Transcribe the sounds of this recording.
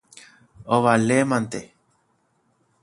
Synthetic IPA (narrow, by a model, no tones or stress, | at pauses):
oʋalemãnt̪e